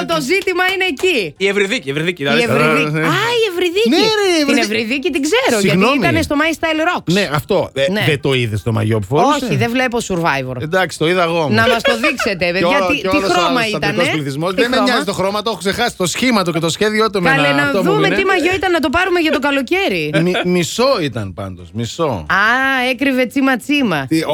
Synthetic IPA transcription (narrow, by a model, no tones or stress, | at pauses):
t̪o̞zit̪imɐine̞ːciievɾiðicievɾiðiciɐeviiaievɾiðinivinevɾiðicit̪iɡzeɾoʝsiɐɣtnioimɐnest̪o̞mɐjist̪ɐjlɾoksneʔɐft̪o̞neðet̪o̞iðest̪omɐ̰ʝopufooçiðevlepo̞suɾvɐjvo̰ɾed̪ɐksi̥t̪oiðɐɐɣomnɐmɐst̪o̞ðikset̪evejɐt̪it̪ixɾomɐiɐnospliθizmosðemeɲɐzit̪oxɾomɐt̪ooxoksexɐsi̥t̪osçimɐt̪ocet̪osçeðiot̪omɐlenɐðumet̪imɐʝo̞it̪ɐnːɐt̪o̞pɐɾume̞ʝɐt̪o̞kɐlo̞ce̞ɾimimisoit̪ɐnpɐ̰nd̪osmisoɐekɾive̞t͡simɐt͡simɐt̪i